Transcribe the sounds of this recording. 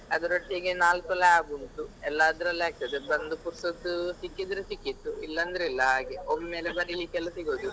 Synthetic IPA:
ɐd̪uɾɐʈːeɡenaːlt̪ɐlɐjaːɡunt̪uɛlːaːd̪ɾɐlaːk̚t̪ːɐd̪bɐnd̪upuɾsɐt̪ːusikːid̪ɐɾesikːit̪ːuilːɐnd̪ɾilːɐɡeommeːlebɐɾilikːɐlːɐsiɡoːd̪u

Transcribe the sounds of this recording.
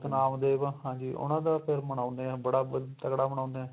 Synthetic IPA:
k̪naːmd̪eːʋãɦãːd͡ʒiːʔʊ̰nãːd̪aːpʰɪɾməɳaːnd̪eːɛːbəɽaːbt̪əkɽaːməɳãːnd̪eɛː

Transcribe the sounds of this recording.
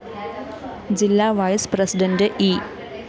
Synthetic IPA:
d͡ʑilːaːʋɐjsprɐsiɖɐndɨʔiː

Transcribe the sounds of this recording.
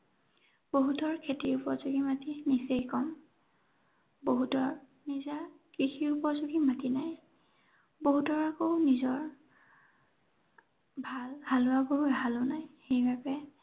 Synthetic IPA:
b̥oɦutɔɹkʰetiɹupɔɹzuɡimatinisejkɔm | boɦutɔɹ | niza | kɹixiɹupɔzuɡimatinaj | boɦutɔɹakoʊnizɔɹ | bʱalhalʊaɡobɔɦalʊnajxejbapɛ

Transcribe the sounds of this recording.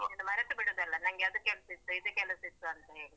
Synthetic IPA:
d̪umɐɾɐt̪ːubiɽoːd̪ɐlːɐnɐŋɡeɐd̪ukɛlɐsit̪ːuid̪ekɛlɐsit̪ːuɐnt̪e

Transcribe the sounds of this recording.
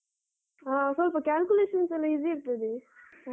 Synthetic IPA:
aːsɔlpɐkʲaːlkʲuleːʂɐnsɛlːɐid͡ʒiːɾt̪ːɐd̪i

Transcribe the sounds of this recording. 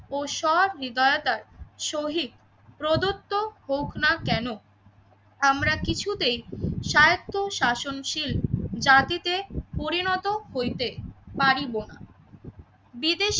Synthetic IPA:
oʃɔɾɾid̪aeot̪aɾʃoɦit̪ | pɾod̪ot̪ːohokʰnakɛno | amɾakit͡ɕʰut̪ejʃajot̪ʰːoʃaʃonʃild͡ʑat̪it̪epoɾinɔt̪oɦojt̪epaɾibona | bid̪eʃ

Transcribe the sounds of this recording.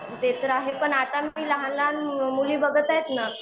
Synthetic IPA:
d̪et̪əɾaɦepəɳat̪amiːləɦanlanmuliːbəɡʱət̪ajt̪na

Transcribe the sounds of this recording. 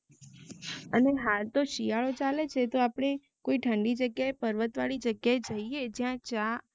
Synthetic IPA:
əneɦalt̪oʃijaɭot͡ʃalet͡ʃʰet̪oapɽ̃e | koiʈʰəɳɖid͡ʒəɡjaepəɾʋət̪ʋaɭid͡ʒəɡjaed͡ʒəied͡ʒjãt͡ʃa

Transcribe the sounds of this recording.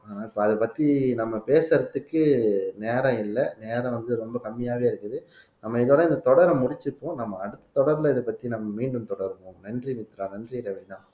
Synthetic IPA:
aɪpːoɐðɯpɐt̪ːinɐmːɐpeːsɐɾɐt̪ːɯkːɯneːɾɐ̃ɪlːɐneːɾɐ̃ʋɐnd̪ɯɾɔmbɐkɐmːɪjaːʋeːɪɾɯkːɯðɯ | nɐmːɐɪðoːɽɐɪnd̪ɐt̪ɔɽɐɾɐmʊɽɪt͡ʃːɯpːõːnɐmːɐːɽɯt̪ːɐ̥t̪ɔɽɐɾlɐɪðɯpɐt̪ːinɐmːɐmiːɳɖɯmt̪ɔɽɐɾɯʋʊ̃nɛndriʋɪt̪ːɾãːnɛndriɾɐɐnãː

